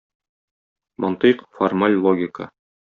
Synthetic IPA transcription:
mɒnt̪iqformalʲlˠoɡʲɪkə̰

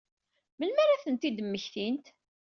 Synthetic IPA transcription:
məlmæɾæθənt̪id̪əmːəçθint̪

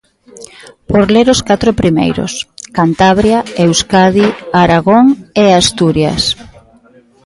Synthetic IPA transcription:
poɾleɾʊskat̪ɾopɾimḛjɾʊ̰skant̪aβɾjaewskaðiaɾaɣoŋeast̪uɾja̰s

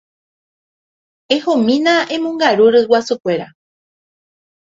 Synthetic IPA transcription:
ehõmĩnãʔẽ̞mõŋɡaɾuɾɨwasɨkʷe̞ɾa

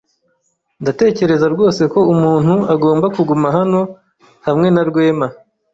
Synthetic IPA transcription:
ndate̞ːce̞ɾe̞zaɾɡo̞ːse̞ko̞umuːn̥huaɡo̞ːmbakuɡumaɦano̞ | hamŋe̞naɾɡwe̞ːma

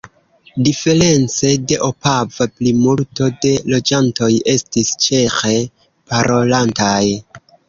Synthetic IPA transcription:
dife̞ɾe̞nt͡se̞deʔo̞pavaplimulto̞de̞lo̞d͡ʒanto̞je̞stist͡ʃe̞xe | paɾo̞lantaj

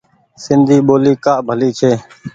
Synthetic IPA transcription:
sɪnd̪ʱiːɓoːliːkaːʔbʱəliːt͡ʃʰeː

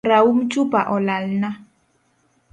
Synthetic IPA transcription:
ɾaum̩t͡ʃubaʔɔlalna

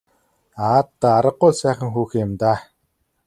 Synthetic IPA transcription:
aːt̪ːaːaɾə̆qːʊːɮsæːχə̆ŋxuːxɪ̆mt̪aː

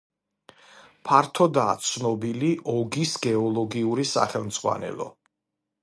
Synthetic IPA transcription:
pʰaɾt̪ʰɔd̪aːt̪sʰnɔbiliʔɔɡisɡɛɔlˠɔɡiuɾisa̰χɛlˠmd̪z̥ʁwa̰nɛ̰lˠɔ̰

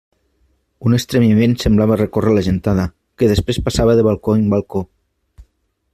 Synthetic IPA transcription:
unest̪ɾemimensemblaβarekorelaʒent̪aða | keðespɾespasaβaðeβ̞alˠkoimbalˠko

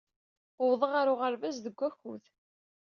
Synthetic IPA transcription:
ʊwðˤəʁaɾʊʁəɾvæzðəɡʷːæçuð

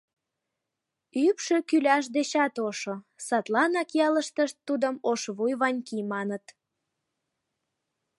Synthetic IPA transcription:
ypʃøkylʲæʃ̬d̪et͡ɕɑt̪oʃosɑt̪lɑnɑkjɑləʃt̪əʃt̪ːud̪əmoʃβujβɑnʲkimɑnət̪

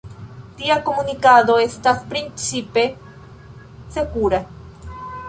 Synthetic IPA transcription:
t̪iakomunikaðoest̪aspɾint͡sipe | sekuɾa

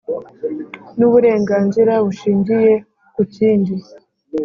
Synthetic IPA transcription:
nuβuɾe̞ːŋɡaːnziɾaβuʃiːɲɟije̞ | kuciːndi

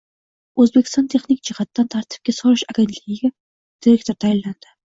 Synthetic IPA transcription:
ɵzbekʲʰɪst̪ɑnt̪ʰeχnik̚t͡ʃɪχat̪ːant̪ʰaɾt̪ʰɪ̥p̚kʲesɔɾɨʃaɡʲent̪ʰlɪɡʲiɡʲæ | d̪̥iɾekt̪ʰɔɾt̪ʰajɪlːand̪̥ɪ̥

